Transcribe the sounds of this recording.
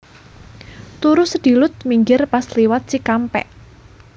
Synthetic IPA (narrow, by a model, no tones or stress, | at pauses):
t̪uɾusəd̪̥i̤lʊt̪̚miŋɡɪrpasliwat̪̚t͡ʃikampɛ̰ʔ